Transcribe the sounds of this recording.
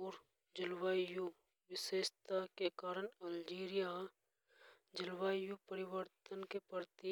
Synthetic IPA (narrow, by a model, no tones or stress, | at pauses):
uːɾ | d͡ʒɪlʋaːju | ʋɪseːʃt̪akekaːɾəɳɐld͡ʒiːɾɪja | d͡ʒɪlʋaːjupəɾɪʋəɾt̪ənkepəɾt̪i